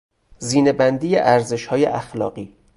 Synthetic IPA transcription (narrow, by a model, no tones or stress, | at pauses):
ziːnebænd̪iːjeʔæɾze̞ʃhɒːjḛʔæxlɒ̰ːɢiː